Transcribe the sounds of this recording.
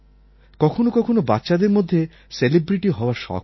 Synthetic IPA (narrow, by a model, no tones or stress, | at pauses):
kɔkʰonokɔkʰonoba̰t̪ːɕad̪eɾmod̪ʱːe | selibɾiʈiɦɔoaɾʃɔ̰k